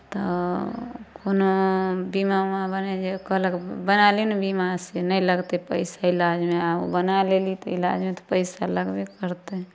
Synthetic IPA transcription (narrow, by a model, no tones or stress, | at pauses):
t̪ɔ | konobimamabəned͡ʒekɔɦləkbənalinbimasenəjləɡt̪epəɪsailad͡ʒmeao̰bənalelit̪ɔila̰d͡ʒmet̪ɔ̥pəɪsaləɡbekəɾt̪e